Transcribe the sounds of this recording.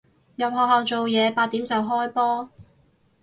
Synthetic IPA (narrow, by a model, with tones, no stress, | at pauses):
jɐ˨p̚hɔː˨khɦɐ˨wt͡so˨wjɛː˨˧paː˧t̪̚ːiː˨˥mt͡sɐ˨wɦɔː˥jpɔː˥